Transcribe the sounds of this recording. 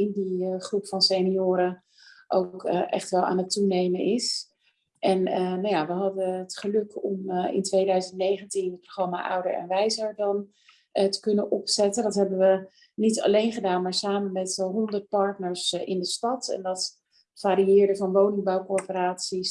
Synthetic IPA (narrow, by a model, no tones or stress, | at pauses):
ɪndiχrupfɑnseniʊːɾə | ʔo̰wkʔɛ̰χtʋɛlˠa̰ːnətunejmənɪs | ʔɛnənawjaːʋəɦɑdəətχəlɵkɔmɪ̰ntʋejdœɥzəntnejχəntinət̚proχrɑma̰ːʔʌ̰wdə̰ɹɛ̰nʋɛjzəɹdɑn | ətə̥kɵnənʔɔpsɛtəndɑtɦɛbəʋə | nitɑ̰lejnχədaːnmaːɹsaːmənmɛtɦɔndəɹt̚pɑɹtnəɹsɪndəstɑtɛ̰ndɑt | faːɾiɪːɹdəvɑnʋownɪŋbawkʊɹpəɾaːtsis